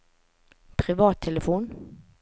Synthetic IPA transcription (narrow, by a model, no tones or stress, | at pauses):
pʰɾɪvɑːt̪ʰːɛləfoːn